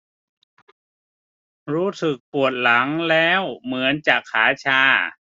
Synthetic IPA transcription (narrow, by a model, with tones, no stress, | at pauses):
ɾuː˦˥sɯ˨˩k̚pu˨˩ət̪̚la˩˦ŋlɛː˦˥˩wmɯ˩˦ənt͡ɕaː˨˩kʰːaː˩˦t͡ɕʰaː˧˩